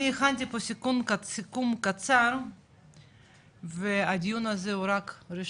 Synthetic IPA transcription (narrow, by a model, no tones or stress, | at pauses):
iexant̪̬iposikumkasikumkat͡saɾ | vead̪ʲijunazehuɾakɾiʃ